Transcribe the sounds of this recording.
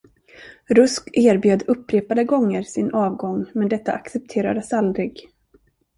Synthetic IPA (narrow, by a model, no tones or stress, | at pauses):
ɾɵskeːɾbjøːd̪ɵpːɾeːpad̪əɡɔŋːəɾsɪnʔɑːvɡɔŋmɛnd̪ɛt̪ːa̰ʔaksɛp̚t̪ʰeːɾa̰d̪əsald̪ɾɪɡ